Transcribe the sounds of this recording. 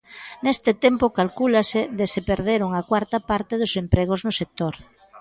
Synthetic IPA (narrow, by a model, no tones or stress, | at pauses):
nest̪ɪt̪empʊkalkulaseðesepeɾðeɾʊŋakwaɾt̪ɐpaɾt̪ɪðʊsempɾeɣ̞ʊznʊsek̚t̪oɾ